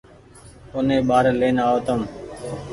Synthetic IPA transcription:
ʊnẽːɓaːɾleːnaːoːt̪əm

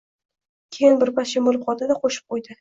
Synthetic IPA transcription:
kʲʰejɪnbɪɾpaʃɪmolɪp̚qʰɒt̪ɪd̪aqʰoʃɪ̥p̚qʰojd̪ɪ

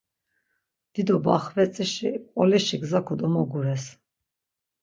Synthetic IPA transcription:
d̪̥id̪ɔbaχvɛt͡s̪ʼiʃiqʼɔliʃiɡzakʰɔd̪ɔmɔɡuɾɛs

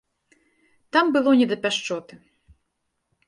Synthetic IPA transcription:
t̪ambɨlˠɔnʲɛd̪ɐpʲaʂt͡ʂɔt̪ɨ

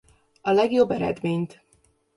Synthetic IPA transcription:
ɒlɛɡjo̞bːɛɾɛ̰d̪meːɲt̪

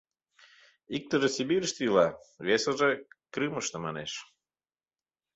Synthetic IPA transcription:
ik̚t̪əʒesibiɾəʃt̪ilɑβesəʒekɾɨməʃt̪ə̆mɑnḛʃ

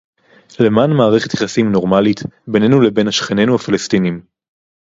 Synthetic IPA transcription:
le̞maːnmaːʁeχet̪jaχasimno̞ʁmalit̪be̞ne̞nulebe̞nhaʃχene̞nuhafilestinim

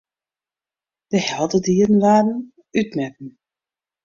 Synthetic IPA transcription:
d̥əhɛlˠdədiːəɾənʋaːrən̩ | ytmɛt̚n̩

